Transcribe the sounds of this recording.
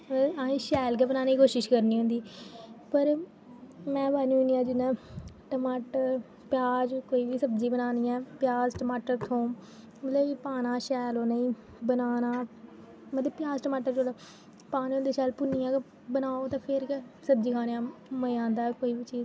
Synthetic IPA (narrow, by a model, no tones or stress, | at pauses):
məaːĩːʃɛːlk̬ɛːbənaːniːkoːʃɪʃkəɾniːɦõːnd̪iːpəɾ | mɛ̃ːbaːniːʊniːjãːd͡ʒɪnɛ̃ːʈəmaːʈəɾ | pjaːd͡ʒkoːiːʋiːsəbd͡ʒĩːbənaːniːɛ̃ːpjaːzʈəmaːʈəɾt̪ʰõː | mət̪ləbipaːnaːʃɛːloːnəĩː | bənaːnaː | mət̪ləbpjaːzʈəmaːʈəɾt͡ʃoːd̪a | paːnːõnd̪eːʃɛːlpʊnːijãːkː | bənaːoːt̪ãːpʰɪɾkɛsəb̚d͡ʒiːkʰaːneãːməãːnd̪aːkoːiːʋiːt͡ʃiːz